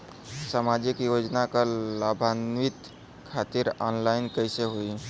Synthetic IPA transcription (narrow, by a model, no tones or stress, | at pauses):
samad͡ʒikjod͡ʒnakalabʱanʋit̪ | kʰat̪iɾɔnlaɪnkəjseɦoi